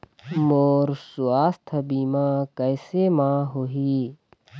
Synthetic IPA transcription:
moːɾsuaːst̪ʰɐbiːmãːkəjsemãːɦoɦiː

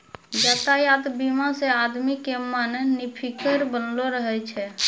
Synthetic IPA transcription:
d͡ʒat̪ajad̪bimasead̪mikemənːipʰikəɾbənloɾəɦɛt͡ʃʰɛ

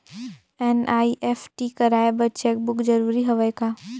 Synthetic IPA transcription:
ɛnaːiʔɛfʈikɐɾaːjebɐt͡ʃɛːk̚bʊkd͡ʒɐɾuːɾiɦɐʋəjkaː

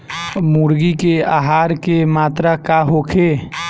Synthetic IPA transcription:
muɾɡikeaːɦaːɾkemaːt̪ɾakaɦokʰe

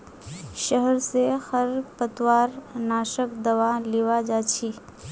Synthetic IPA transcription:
ʃəɦəɾsehəɾpət̪ʋaːɾnaːʃəkd̪ɐʋaleːʋad͡ʒaːt͡ʃʰi

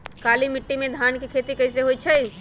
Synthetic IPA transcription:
kaːlimɪʈːimẽd̪ʱaːnkikʰeːt̪ikɐɪseɦoːit͡ʃʰɐi

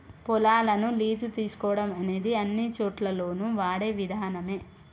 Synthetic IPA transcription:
pɔlaːlɐnuliːd͡ʒut̪iːsu̥kɔːɽɐmɐne̞ːd̪iɐnːit͡ʃoːʈlɐlo̞ːnuʋaːɽeːʋid̪ʱaːnɐme̞ː

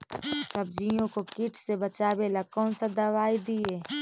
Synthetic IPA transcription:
səb̚d͡ʒijõkokɪʈsebət͡ʃaːbeːlakɔːnsad̪ɐʋaːid̪ieː

